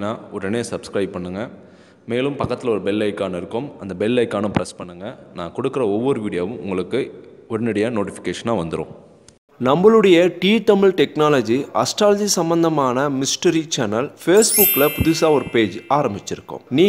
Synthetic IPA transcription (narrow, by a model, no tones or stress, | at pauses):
nːaːɔɾɛneːsɐbskɾɐɪbpːɐɳːɯŋɡɐ | meːlɯmpɐkːɐt̪ːɪlɐɔɾɯbɛlːɐɪkːaːnɐɪɾɯkːɯmɐnd̪ɐbɛlːɐɪkːaːnɐ̃pɾɐspɐɳːɯŋɡɐnã̰ːkɔɽɯkːɪɾɐɔʋːɐɾɯʋiːɽɪjaːʋɯ̃mʔʊ̰ŋɡɐɭɯkːɯɔɾɐnɪɽɐjɐnoːʈɪfɪ̥kːeːʂɐnaːʋɐnd̪ɯɾõ̰ː | nɐmbɐɭɯɽɐjɐʈiːt̪ɐmɪlʈɛknaːlɐd͡ʒiɐsʈɾaːlɐd͡ʒisɐmbɐnd̪ɐmaːnɐmɪsʈɐɾit͡ʃɐnɐlfeːsbʊkːlɐpʊðʊsaːɔɾɯpeːd͡ʒaːɾɐmbɪt͡ʃːɪɾɯkːʊ̰̃mniː